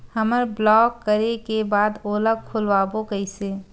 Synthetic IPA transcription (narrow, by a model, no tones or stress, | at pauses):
həməɾblɔːkːəɾekebaːd̪oːləkʰʊlʋaːbokəɪse